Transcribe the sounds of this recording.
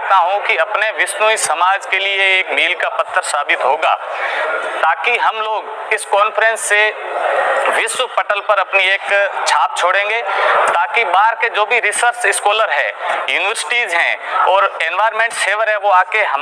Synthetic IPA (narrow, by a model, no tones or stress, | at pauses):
t̪aɦũkiɐpneʋɪsnuisɐmaːd͡ʒkelieeːkmiːlkapɐt̪ʰːəɾsaːbɪt̪ɦoːɡa̰ː | t̪aːkiɦɐmloːɡɪskɔːnfəɾɛ̃nsːe | ʋɪswəpɐʈəlpɐɾɐpnieːkt͡ʃʰaːp̚t͡ʃʰoːɽẽːŋɡet̪aːkibaːɾked͡ʒoːbʱiɾɪsəɾt͡ʃɪskɔːləɾɦɛ̰ːjuːnɪʋəɾsɪ̥ʈiːzɦɛ̰̃ɔːɾẽːnʋaːɾmẽːɳʈseːʋəɾɦɛʋoaːkeɦɐm